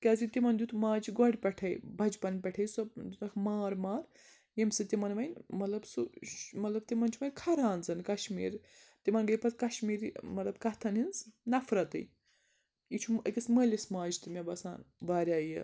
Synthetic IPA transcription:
kʲaːzit̪imɐnd̪ʲut̪maːd͡ʒiɡɐɽʲpʲɐʈʰɐjbʱɐd͡ʒpɐnpʲɐʈʰɐjsɐbd̪unɐkʰmaːɾmaːɾ | jemʲsɨt̪imɐnʋɐjnmɐt̪lɐbsumɐt̪lɐb̚t̪imɐnt͡ʃʰumɐnʲkʰɐɾaːnzɐnkɐʃmḭːɾt̪imɐnɡɐjpɐt̪kɐʃmiːɾimɐt̪lɐbkɐt̪ʰɐninznɐfɾɐt̪ɨ̰j | it͡ʃʰumɐ̰kʲɐsməlʲismaːd͡ʒit̪ɨmʲɐbɐsa̰ːnbaːɾʲaːjɐ̰

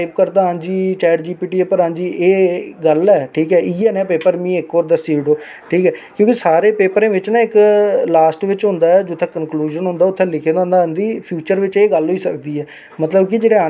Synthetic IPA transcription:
ɪp̚kəɾd̪aːãːnd͡ʒiːt͡ʃaːəɾd͡ʒiːpiːʈiːɛpəɾãːnd͡ʒiːʔeːɡəlɛːʈʰiːkɛːʔiːɛːnɛ̃ːpeːpəɾmĩːɪkoːɾd̪əsiɪɖoː | ʈʰiːkɛːkjõːkisaːɾeːpeːpəɾẽːʋɪt͡ʃnãːɪklaːsʈʋɪt͡ʃɦʊ̃nd̪aːɛːd͡ʒot̪ʰːẽːkənkluːʒənɦʊ̃nd̪aːʊt̪ʰːẽːlɪkʰeːd̪ãːnd̪aːnd̪iːpʰjuːt͡ʃəɾʋɪt͡ʃeːɡəlɦoːiːsəkd̪iːɛː | mət̪ləbkɪd͡ʒeːɽeːãː

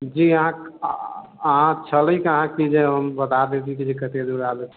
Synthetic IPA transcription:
d͡ʒiəɦã | əɦãt͡ʃʰələjkəɦãkid͡ʒeɦəmbət̪ad̪et̪ʰikid͡ʒekət̪ed̪uɾabɛt͡ʃʰ

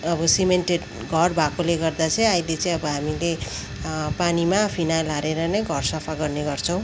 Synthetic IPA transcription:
ʌbʌsimenʈeɖ | ɡʱʌrbʱakoleɡʌrd̪at͡sʰʌj̃ʌjlet͡saĩʌbʌɦamile | panimapʰinalaɾeɾʌnʌjɡʱʌrsʌpʰaɡʌrneɡʌrt͡sʰʌ̃w̃

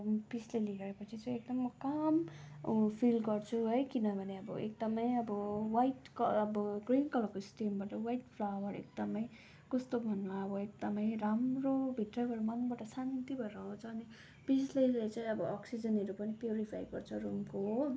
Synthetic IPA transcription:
pisleliɡʌepʌt͡sʰit͡saj̃ek̚d̪ʌmʌkam | pʰilɡʌrt͡sʰuɦʌjkinʌbʱʌneʌbʌḛk̚d̪ʌmʌjʌbʌwajʈkʌʌbʌɡrinkʌlʌkosʈimbaʈʌwajʈpʰlawʌɾḛk̚d̪ʌmʌj | kʌst̪obʱʌnmaʌbʌek̚d̪ʌmʌjɾamrobʱiʈrʌɡʱʌɾumʌnbaʈʌsanit̪ibʱʌeɾʌũt͡sʰʌːni | pislelet͡saĩʌbʌʌksid͡zʌnɦʌɾupʌnipjuɾipʰajɡʌrt͡sʰʌɾumko

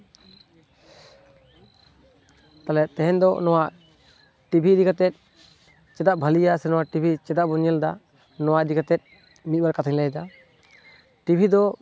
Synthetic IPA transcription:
t̪alɛt̪ɛɦɛnd̪ɔnɔwaʔ | ʈibʱiɾikat̪ɛt̪̚ˀ | t͡ʃɛd̪aʔbʱalijasɛnɔwaʔʈibʱit͡ʃɛd̪aʔbɔɲɛld̪a | nɔwaʔɾikat̪ɛt̪̚ˀ | mit̪̚ˀbalkat̪ʰiŋlɛjd̪a | ʈibʱid̪ɔ

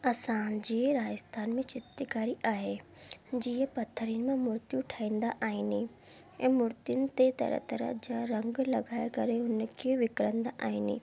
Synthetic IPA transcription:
ɐsãd͡ʑeːɾaːɪst̪ʰaːnmẽt͡ɕɪt̪ɪkaːɾiʔaːɦe | d͡ʑiːɦə̃pɐt̪ʰːəɾijənɪ̆mẽmʊɾt̪jũʈʰaːĩːnd̪aʔaːɦɪni | ɛ̃ːmʊɾt̪ijʊnɪ̆t̪et̪ɐ̰ɾə̰t̪ɐɾə̰d͡ʑaːɾɐ̃ŋɡlɐɡʱaːɪkɐɾeɦʊn̆kʰeʋɪkɾə̃nd̪aʔaːɦɪnɪ̰

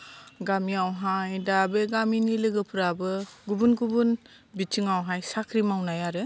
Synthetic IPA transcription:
ɡamiawɦajdabeɡaminilɯɡɯpʰɯɾabɯɡubunɡubun | bit͡ʃɯŋawɦajsakʰɾimawnajaɾɯ

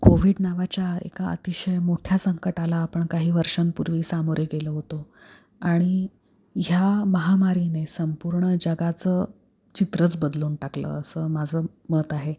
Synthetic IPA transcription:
koʋiɽnaʋat͡ɕjaḛkaə̰t̪iɕəjmoʈʰjasəŋkəʈalaːpəɳkaɦiːʋəɾʂampuɾʋiːsamoɾjeɡeləːɦot̪o | aɽ̃i | ɦjaməɦamaɾinesəmpuɾɳəd͡ʑəɡat͡sə | t͡ɕit̪ɾət͡sbəd̪luːnʈaklə̰əsəːmad͡zʱəː | məːt̪aɦe

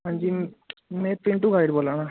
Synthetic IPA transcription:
ɦãːɲd͡ʒiːmɛ̃ːpɪ̃ɳʈuɡaːɪɖboːlãːnaː

